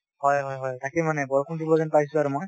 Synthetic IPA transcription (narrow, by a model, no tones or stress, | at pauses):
hɔjɦɔjɦɔjtʰakimanɛbɔɹɔkʰɔndupɔzɛnpaɦis̬ʊaɹumɔj